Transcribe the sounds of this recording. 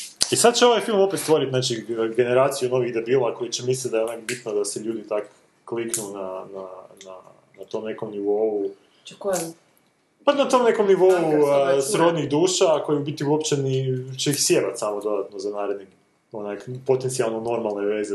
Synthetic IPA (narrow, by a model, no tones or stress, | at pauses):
isad̪̚t͡ɕeoʋajfilˠmo̞pet̪st̪ʋo̞ɾit̪naːt͡ʃiɡe̞neɾaːt̪sijuno̞ʋiɣd̪ebiːlˠako̞jit͡ɕemislit̪d̪ajeonakbit̪nod̪aseʎuːd̪it̪ak | kːliknunanana̰ | nat̪o̞mne̞ko̞mniʋo̞u | k | panat̪o̞mne̞ko̞mniʋo̞usɾod̪niɣd̪uːʃako̞jibit̪iuopt͡ʃenit͡ʃeixsjeʋat̪samod̪o̞d̪at̪nozanaːɾed̪ni | onakpo̞t̪e̞nt̪sialˠnono̞ɾmalˠneʋe̞ːze